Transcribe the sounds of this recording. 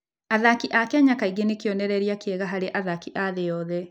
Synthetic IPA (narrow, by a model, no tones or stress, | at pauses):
aðakiʔakeaɲakaiɣenekjɔnɛɾɛɾiakeɛɣaɦaɾeʔaðakiʔaðejɔːðɛ